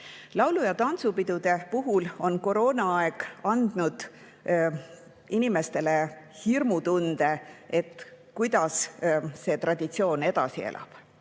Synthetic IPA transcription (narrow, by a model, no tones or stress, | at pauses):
lɑwlujɑt̪ɑnt̪supid̪̥ud̪̥e̞puɦulo̞nko̞ɾo̞ːnɑɑe̞ɡ̥ɑnd̪̥nud̪̥ | inime̞st̪e̞le | hirmut̪und̪̥e̞et̪ˑ | kujd̪̥ɑsse̞ːt̪rɑd̪̥it̪sio̞ːne̞d̪̥ɑsḭḛlʔɑ̰b̥